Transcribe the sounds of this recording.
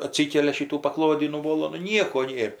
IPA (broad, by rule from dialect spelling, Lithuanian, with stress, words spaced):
ɐˈtʲsʲiːkʲɛlʲɛ ˈʃʲiːtuː pɐˈklˠoːdʲiː nʊˈʋoːlˠoː nʊ ˈnʲiɛkoː ˈnʲeːr